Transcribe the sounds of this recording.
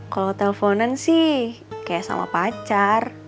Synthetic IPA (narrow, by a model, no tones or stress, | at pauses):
kalɔt̪ɛlfonənsih | kajaʔsa̰ma̰pat͡ʃar